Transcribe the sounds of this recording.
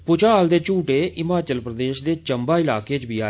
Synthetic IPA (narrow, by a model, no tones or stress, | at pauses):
pʊt͡ʃaːld̪eːt͡ʃuːʈeːɪmaːt͡ʃəlpɾəd̪eːʃd̪eːt͡ʃəmbaːɪlaːkeːt͡ʃbiːaː